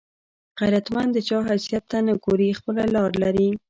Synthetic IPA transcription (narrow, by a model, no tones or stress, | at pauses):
ɣajɾat̪mand̪d̪ət͡ʃɑɦasijat̪ːanəɡoɾixpəlalɑɾlaɾi